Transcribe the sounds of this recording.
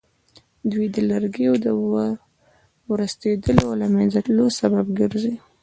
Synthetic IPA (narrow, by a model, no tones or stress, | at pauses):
d̪wijd̪əlaɾɡeod̪ə | wɾəst̪ed̪əlolamanzalosababɡəɾzi